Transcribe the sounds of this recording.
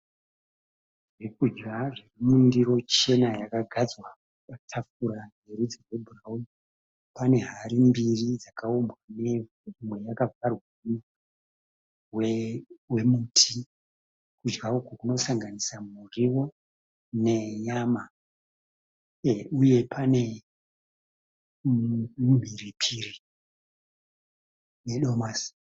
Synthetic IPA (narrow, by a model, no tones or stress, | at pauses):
ʐikud͡ʒɡaʐirimundiɾo̞t͡ʃe̞najakaɡʱad͡zwa | katʰafuɾanerud͡zirwebʱuraumi | pane̞ɦaɾimbirid͡zakaombwane̞v | imwe̞jakafarwuma | wewe̞mutʰi | kud͡ʒɡaokwakuno̞saŋɡanisamuriwo̞ | ne̞jama | uje̞pʰane̞ | um̤iripʰiri | neɗo̞maːs